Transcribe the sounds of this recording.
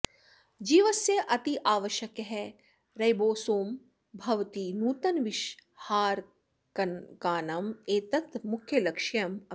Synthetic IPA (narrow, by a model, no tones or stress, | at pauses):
d͡ʒiːʋɐsjeʔɐt̪iʔaːʋɐʃjɐkɦɛ | ɾɐjboːsoːm | bʱɐʋt̪inuːt̪ɐnʋɪʃhaːɾ | kɐkaːnɐmeːt̪ɐt̪mʊkʰːjɐlɐkʃjɐmɐ